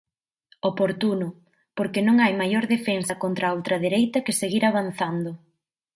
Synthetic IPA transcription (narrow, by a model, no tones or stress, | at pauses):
opoɾt̪unʊ | poɾkenõŋajmajoɾðefensɐkont̪ɾaowt̪ɾɐðeɾejt̪ɐkɪseɣiɾaβan̟θand̪ʊ